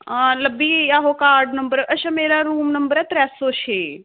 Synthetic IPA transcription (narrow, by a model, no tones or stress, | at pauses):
ləbiːjaːɦokaːɾɖnəmbəɾɐʃɐmeːɾaɾuːmnəmbəɾɛt̪ɾɛːsoːʃeː